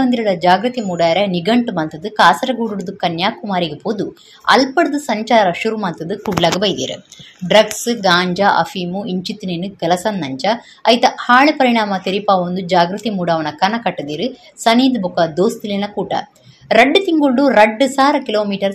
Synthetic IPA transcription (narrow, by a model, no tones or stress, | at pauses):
ɐnd̪iɾɐɭɐd͡ʒaːɡɾut̪imuːɽaːjɾɐniɡɐɳʈumɐnt̪ɐd̪ɨkaːsɐɾɐɡuɽuɽud̪ukɐnjaːkumaːɾiɡepoːd̪u | ɐ̰lpɐɽd̪ɨsɐɲt͡ʃaːɾɐʃuɾumɐnt̪ɐd̪ɨkuɖlaːɡɐbɐjd̪ḭːɾɐ̰ɖɾɐɡsɨɡaːɲd͡ʒɐʔɐ̰fiːmuiɲt͡ʃit̪ːneːnukɐlɐsɐnːɐɲt͡ʃɐ | ɐjt̪ɐhaːɭipɐɾiɳ̃aːmɐt̪iɾipaːʋond̪ud͡ʒaːɡɾut̪imuːɽaːʋɐnɐkɐnɐkɐʈːɐd̪iːɾɨ | sɐniːd̪bukɐd̪oːst̪ilinɐkuːʈɐ̰ | ɾɐɖːɨt̪iŋɡuɭɖuɾɐɖːɨsaːɾɐkiloːmiːʈɐɾ